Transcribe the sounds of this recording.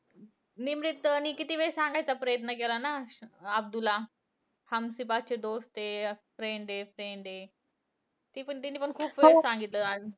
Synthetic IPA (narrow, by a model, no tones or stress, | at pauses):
nimɾit̪ːəniːkit̪iːʋeɾsãŋɡajt͡sapɾəjət̪̬nək̬elanaəb̚d̪ula | həmsipat͡ɕed̪ost̪epɾeɳɖefɾeɳɖe | t̪iːpəɳt̪inːiːpəɳkʰuːpʋesãŋɡit̪ləa